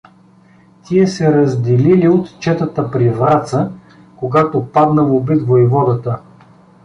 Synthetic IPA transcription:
t̪ʲiɛsɛɾəzd̪ililiot̪t͡ʃɛt̪ət̪əpɾivɾat̪sə | koɡat̪opad̪nəvobit̪vojvɔd̪ət̪ə

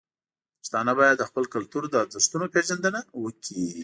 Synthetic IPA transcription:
st̪ɑnabɑjad̪ːəxpəlkalt̪uɾd̪əd̪ust̪unopeʒand̪ənawəkʰi

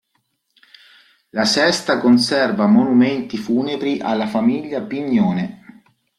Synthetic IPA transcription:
lasɛst̪akonsɛrvamonumɛnt̪ifuːnebɾiʔalːafamiʎːapiɲːjoːne

